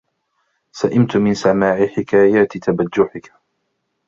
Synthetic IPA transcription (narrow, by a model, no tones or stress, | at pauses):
saʔɪmt̪mɪnsamaːʕɪħɪkaːjaːt̪t̪ʰabad͡ʒːʊħɪk